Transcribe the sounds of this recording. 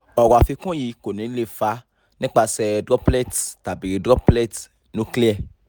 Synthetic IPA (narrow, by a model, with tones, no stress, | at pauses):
ɔ˨wɔ˨a˨fi˧kũ˦ji˨˦ko˨nĩ˨˦le˦˨fa˨˦ | nĩ˦k͡pa˧sɛ˧dɾɔ˦plɛ˦˨tta˨bi˨ɾi˨˧˦dɾɔ˦plɛ˦˨t | nũ˨˦kli˦ɛ˦˨